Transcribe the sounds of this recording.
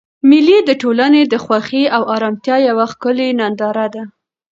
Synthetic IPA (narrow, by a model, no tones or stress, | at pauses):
mɪlid̪əʈolaned̪əxwaxiawɑɾɑmt̪jɑjawaxkəlenand̪ɑɾad̪a